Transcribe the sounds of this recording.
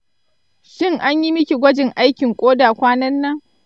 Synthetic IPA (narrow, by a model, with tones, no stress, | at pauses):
ʃɪ˦˨ŋʔa˦ɲji˦mɪ˦kʲi˨ɡʷɐ˦d͡ʒɪ˨ŋʔa˦jkʲɪ˨ŋkʷʼoː˦daː˨kʷaː˦nɐ˦nːɐ˦ŋ